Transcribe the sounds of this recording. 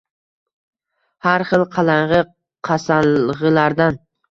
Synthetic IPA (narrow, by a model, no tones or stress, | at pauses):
haɾχɨlˠqʰɑlˠaɴʁɨ | qʰɑsaʁɨlaɾd̪an